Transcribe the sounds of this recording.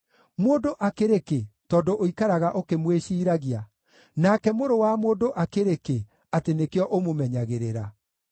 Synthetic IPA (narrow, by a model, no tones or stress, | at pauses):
moːdoʔakeɾeketɔːndoʔoikaɾaɣaʔokemweʃiːɾaɣia | nakɛmoɾowamoːdoʔakeɾeke | atenekeɔʔomomɛɲaɣeɾeɾa